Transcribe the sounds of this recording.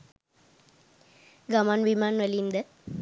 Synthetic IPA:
ɡɐmaːnʋimaːnʋɐliːmd̪ə

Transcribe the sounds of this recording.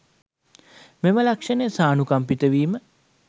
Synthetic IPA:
meməlakʂɐnesaːnukampit̪əʋiːmə

